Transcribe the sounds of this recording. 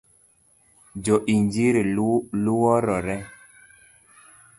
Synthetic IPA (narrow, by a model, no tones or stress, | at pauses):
d͡ʒɔʔiɲd͡ʒiɾiluwɔɾɔɾɛ